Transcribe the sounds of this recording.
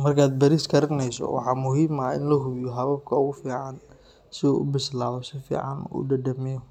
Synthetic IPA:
mɐrkʰaːd̪̚bɐɾiːskʰɐɾɪnɛjsɔ̰wɑ̰ħɑːmʊɦiːmɐɪ̰nlɐɦʊβjɔɦɐβɐb̚kʰɐʊɣʊfiːʕɑn | sɪṵːʔʊ̰bɪslaːβɔsɪfḭːʕɑ̰nṵːɖɐd̪ɐmɛjɔ

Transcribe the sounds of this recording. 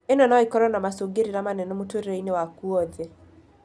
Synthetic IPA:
enɔnaikɔɾɔnamasoɡeɾiɾamanɛnɔmutɾainewakuɔðe

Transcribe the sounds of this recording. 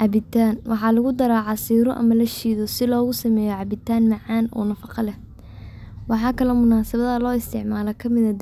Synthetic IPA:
ʕɑbɪt̪ʰaːnwʔɑħɑːlɐɣʊd̪ɐɾaːʕɑsiːɾɔʔɐ̰mɐlɐʃiːðɔsɪlɔːɣʊsɐmɛːjɔʕɑbɪt̪ʰːaːnmɑʕɑːnɔ̰ːnɐfɑqɑlɛ | wɑħɑːkʰɐlɔmʊnaːsɐβɐðɐlɔːɪst̪ʰɪʕmaːlɐkʰɐmɪðɐd̪

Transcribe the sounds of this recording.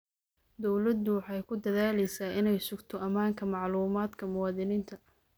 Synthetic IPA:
d̪ɔwlɐd̪ʊwɑħɑjkʰʊd̪ɐðaːlɛjsaːʔɪnɛjsʊɡt̪ʰɔʔɐmaːŋkʰɐmɑʕluːmaːd̪kʰɐmʊwɑːðɪniːnt̪ʰɐ

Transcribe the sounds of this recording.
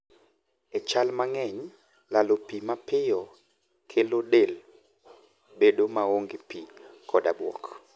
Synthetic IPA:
ɛt͡ʃalmaŋɛɲ | lalopimapɪjɔ | kʰelodel | bedomaoŋɡepikʰɔdabwɔ̰k

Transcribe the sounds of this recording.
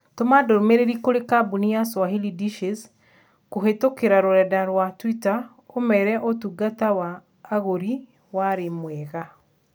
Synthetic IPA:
tomadoɾomeɾeɾikoɾekabunijaswaɦilidiʃes | koɦetokeɾaɾoɾɛdaɾwatwita | omɛɾɛʔotuɡatawaː | ɣoɾi | waɾemwɛɣa

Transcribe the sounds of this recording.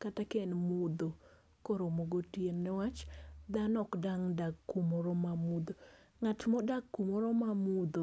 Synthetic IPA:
katakenmud̪o | kɔɾomoɡotijenːɛwat͡ʃd̪anɔkdaŋdaɡumɔɾɔmamud̪o | ŋatmɔdakːumoɾɔmamud̪o

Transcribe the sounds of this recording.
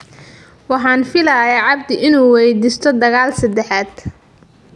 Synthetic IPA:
wɑħɑːnfɪlaːjɐʕɑb̚d̪ɪʔɪnuːwɛjd̪iːst̪ʰɔd̪ɐɣaːlsɐd̪ɛħaːd̪̥

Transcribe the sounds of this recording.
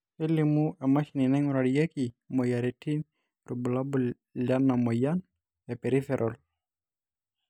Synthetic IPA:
elimuʔɛmaʃininɛŋuɾaɽiɛki | mɔjaɾetin | ɾubulabu | lanamɔjan | ɛpɛɾifɛɾʔɔl

